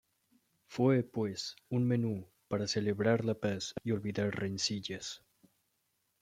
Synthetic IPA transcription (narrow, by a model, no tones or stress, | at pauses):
fwepwesunmenu | paɾaseleβɾaɾlapasio̞lβiðaɾrensiʎas